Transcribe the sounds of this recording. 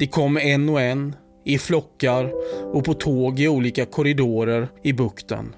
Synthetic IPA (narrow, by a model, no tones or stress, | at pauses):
d̪̥ɛkʰɔmːɛnːɔɛn | ɪflɔkːaɾɔpʰɔt̪ʰoːɡɪuːliːkakʰɔɾɪd̪oːɾəɾɪbɵkt̪ə̰n